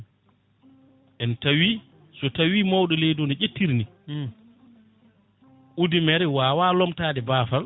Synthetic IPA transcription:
ʔɛntawi | sɔtawiːmawɗɔlɛjdonit͡ʃetːiɾni | ʔudimɛɾɛwaːwaːlɔmtaːdɛbaːfal

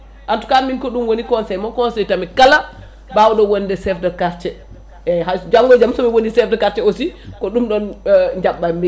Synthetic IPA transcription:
ʔantu̥kanminkɔɗumwonikɔnsɛjmɔkɔnsɛjtamɛkala | bawɗɔwondɛsɛfdɛkaɾt͡ʃɛ | ɛɦad͡ʒamɡɔd͡ʒamsɔmɛwonisɛfdɛkaɾt͡ʃɛosikɔɗumɗɔnɲd͡ʒaɓːame

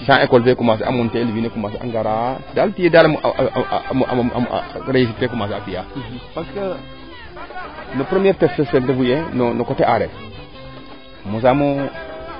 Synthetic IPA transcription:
ʃãekolfekumas̬eʔa̰muntelwinekumas̬ea̰ŋɡaɾadalpijedal̰ | ma̰ | ɾeis̬itekumasapijapaɾskə | nəpɾemeɾtefsesendəvujenonokoteʔaɾe | mus̬amo

